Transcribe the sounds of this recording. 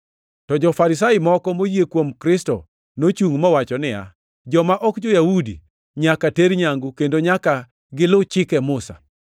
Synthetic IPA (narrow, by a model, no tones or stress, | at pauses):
tɔd͡ʒɔfaɾɪsaɪmɔkɔmojjekwomkɾɪstɔ̰ | not͡ʃuŋmɔwat͡ʃɔnɪja̰ | d͡ʒɔmaʔɔkd͡ʒɔjawudḭ | ɲakateɾɲaŋɡukendoɲaka | ɡɪlot͡ʃɪkɛmʊsa̰